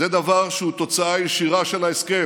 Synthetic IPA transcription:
ed̪avaʁʃeut̪o̞t͡saajeʃiʁaʃe̞laeske

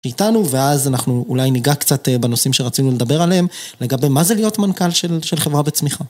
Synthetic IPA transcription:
ʃeitanuve̞azanaχnuːlajniɡakt͡satebeno̞simʃeʁat͡sinule̞d̪abe̞ʁaleemle̞ɡabe̞mazelijo̞tmankalʃelʃe̞lχe̞vʁabet͡smiχa

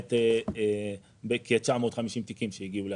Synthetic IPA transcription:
t̪e | bekiet͡ʃaʕmoːt̪χamiʃimt̪ikimʃehiɡiule

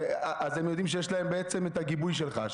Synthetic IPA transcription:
aʔazemjod̪imʃ̬ejeʃlae̞mbeet͡se̞metaɡibujʃ̬elχa̰ʃ

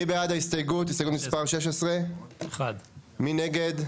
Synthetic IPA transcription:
ibeadaist̪ajɡut̪̬istajɡut̪mispaʁʃeʃ̬esʁe̞χad̪mineɡe̞d

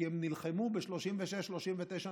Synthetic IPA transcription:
emnilχemubeʃlo̞ʃimveʃeʃloʃimvet̪ejʃa

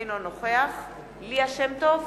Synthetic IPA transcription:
nonoχeaχ | liaʃemt̪ov

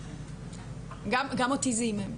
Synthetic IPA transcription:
ɡamɡamot̪izimem

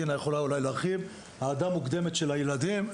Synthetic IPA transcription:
inajeχo̞laulajleaχiv | haːd̪amukd̪e̞met̪ʃe̞lajelad̪im

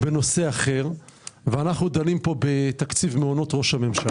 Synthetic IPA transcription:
beno̞se̞aχe̞ʁ | veanaχnud̪alimpo̞bet̪akt͡sivmeono̞t̪ʁo̞ʃhame̞mʃa

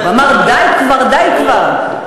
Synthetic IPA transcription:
vamaʁd̪ajkvaʁd̪ajkvaʁ

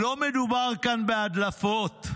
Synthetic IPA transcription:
omed̪ubaʁkanbead̪lafot̪

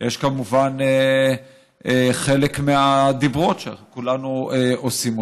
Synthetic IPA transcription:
jeʃkamuvane | eχe̞lekmead̪ibʁo̞tʃea̰kulanueosimo

